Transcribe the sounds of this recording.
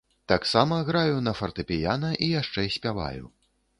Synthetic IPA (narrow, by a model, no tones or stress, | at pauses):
t̪aksamɐɣɾajunɐfɐrt̪ɨpʲijanɐʔijaʂt͡ʂɛsʲpʲava̰jṵ